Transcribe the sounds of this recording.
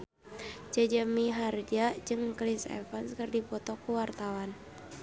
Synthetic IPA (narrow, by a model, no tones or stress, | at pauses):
d͡ʒad͡ʒamiɦard͡ʒad͡ʒɨŋklisɛ̰fanskərdipɔt̪ɔkuwart̪awan